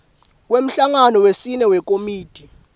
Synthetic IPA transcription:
kwem̩ɬaŋanɔwesinɛwɛk̬ʼomiːtʼi

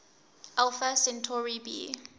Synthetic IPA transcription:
ʔalfasɛ̃ntʰɔɹibḭ

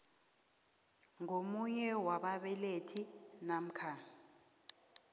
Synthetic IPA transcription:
ŋomuɲɛwaɓaɓɛletʰinam̩kʰa

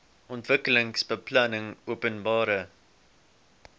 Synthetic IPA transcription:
ʔɔntvəkələŋsbəplɐnəŋuəpənbɑːɾə

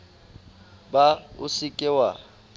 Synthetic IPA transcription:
baʊsɪkʼɪwa

